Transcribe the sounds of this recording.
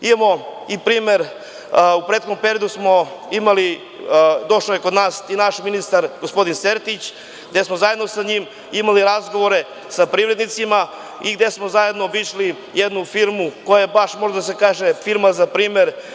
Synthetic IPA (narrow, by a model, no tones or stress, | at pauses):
imamo̞ipɾiːmeɾ | upɾet̪xod̪ompe̞ɾijod̪usmo̞imali | d̪o̞ʂlajekod̪naːsinaʃminist̪aɾɡospo̞d̪inseɾt̪it͡ɕ | ɡd̪e̞smo̞zajed̪nosaɲim | imaliɾazɡo̞ʋoɾe̞ | sapɾiːvɾe̞d̪nit̪sima | iɡd̪e̞smozaje̞d̪no̞ʋiʃli | jed̪nufiɾmuko̞jajebaʃmo̞ʒed̪as̬e̞kaːʒefiɾmazapɾiːmeɾ